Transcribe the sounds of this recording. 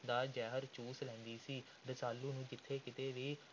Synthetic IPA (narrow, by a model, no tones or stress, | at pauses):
d̪aːd͡ʒɛːɦəɾt͡ʃuːslɛ̃ːnd̪iːsiː | ɾəsaːlːuːnũːd͡ʒɪt̪ʰːeːkɪt̪eːʋiː